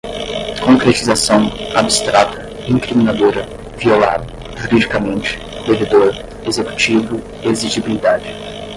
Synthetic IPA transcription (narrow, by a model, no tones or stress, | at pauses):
kõkɾet͡ʃizasɐ̃w̃abist̪ɾat̪ɐ | ĩŋkɾimĩnad̪oɾɐ | viola̰d̪ɐ | ʒuɾid͡ʒikɐmẽnt͡ʃɪ̥ | d̪eved̪oɾ | ezeku̥t͡ʃivʊ | eziʒibilid̪ad͡ʒɪ